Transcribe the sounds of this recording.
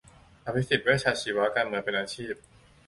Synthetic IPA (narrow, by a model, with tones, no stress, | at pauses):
ʔa˧˩pʰi˦˥si˨˩t̪̚wiː˥˩t͡ɕʰaː˧t͡ɕʰiː˨˦wa˦˥ka˧nmɯ˨˩˦ənpe˧nʔaː˧t͡ɕʰiː˥˩p̚